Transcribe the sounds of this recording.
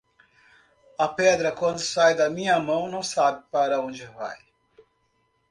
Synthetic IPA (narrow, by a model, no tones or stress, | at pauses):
ɐpɛd̪ɾɐkwɐ̃nd̪ʊsajd̪ɐmĩɲɐmɐ̃w̃nɐ̃w̃sabɪpaɾɐõd͡ʒɪva̰j